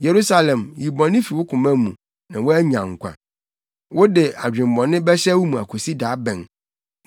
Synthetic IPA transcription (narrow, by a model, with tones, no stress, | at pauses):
je˨ɾu˦sa˦lɛ̃˨mji˨bɔ̃˨nɪ̃˦fi˨wʊ˦kʰʊ̃˨mæ̃˦mũ˨ | nã˨wʊ˦æ˦ɲã̰˨ŋ̩˨kʷʰã̰˨ | wʊ˦dɪ˨a˨d͡ʑᶣɪ̃˨m̩˨bɔ̃˨nɪ̃˦bɛ˦ɕɛ˦wʊ˦mũ˨a̰˨kʷʰo˨si˦daː˨˦bɛ̃˨n